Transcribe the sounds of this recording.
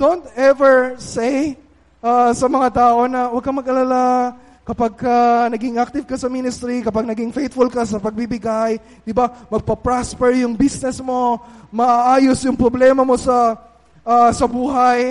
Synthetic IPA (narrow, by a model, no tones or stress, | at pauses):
d̪̥ont̪ɛvɛɹsej | ʔasɐmɐŋat̪aːʔo̞nɐwɐɡ̚kːɐmɐɡʔɐlala | kɐpaɡ̚kɐnɐɡɪŋʔak̚t̪ɪvkɐsɐminɪst̪ɾikɐpaɡ̚nɐɡɪŋfejt̪fʊlkɐsɐpɐɡ̚bibɪɡaj | d̪ɪbamɐɡ̚pɐpɹaspɛɹjʊŋbisnɛsmo̞mɐʔaʔaːjosjʊŋpɾoblɛːmɐmo̞sɐ | ʔasɐbuːɦaj